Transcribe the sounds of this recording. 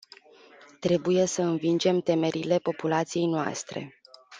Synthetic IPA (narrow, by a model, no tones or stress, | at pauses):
t̪ɾe̞buje̞səɨnvind͡ʒe̞mt̪e̞me̞ɾʔile̞po̞pulat̪sije̞jnoa̰st̪ɾe̞̰